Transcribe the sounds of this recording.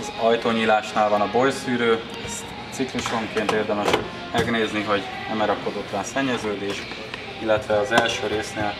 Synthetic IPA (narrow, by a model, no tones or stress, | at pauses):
ɒzɒjt̪oːɲiːlaːʃnaːlvɒnɒbo̞jsyːɾøː | ɛst | t̪sikluʃo̞ŋkeːnt̪eːrd̪ɛmɛʃ | mɛɡneːzniɦɒɟ | nɛmɛɾɒko̞d̪o̞t̪lɒnsɛɲːɛzøːd̪eːʃ | ilːɛt̪ʋɛɒzɛlʃøːɾeːsneːl